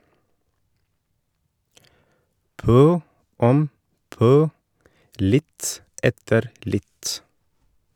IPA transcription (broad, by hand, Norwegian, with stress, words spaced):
ˈpœ ˈɔm ˈpœ ˈlɪt ˈɛtəɾ ˈlɪt